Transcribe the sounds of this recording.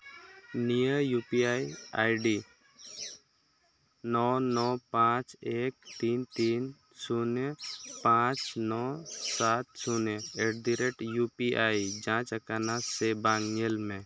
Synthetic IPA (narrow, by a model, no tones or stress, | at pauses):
nijəjupiajajɖi | nɔnɔpãt͡ʃek̚t̪iːnt̪in | sunpãt͡ʃnɔsat̪suneʈd̪iɾeʈjupiʔajd͡ʒãt͡ʃəkanasebaŋɲelmẽ